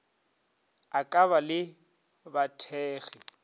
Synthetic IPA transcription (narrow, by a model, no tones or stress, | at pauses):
akʼaβalɪ | batʰɛːɣi